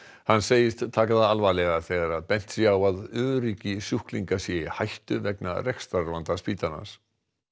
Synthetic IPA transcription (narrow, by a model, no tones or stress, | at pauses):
hanːseːjɪst̪t̪ʰaːkaðaalvalɛɣaθɛːɣaɾaðpɛn̥t̪sjawaðʏːðɾiːcɪsjuhkliŋkasjɛhajht̪ʏvɛkna̰rɛkst̪aɾvant̪aspiːt̪ana̰s